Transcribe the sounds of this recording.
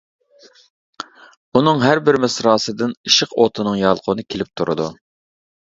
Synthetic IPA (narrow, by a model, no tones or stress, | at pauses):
unɨŋɦæɾbɪɾmɪsɾɑːsɨd̪ɨniʃəqot̪ʰɨnɨŋjɑlˠqʰʊnɨkʲʰelɪp̚t̪ʰuɾɨd̪u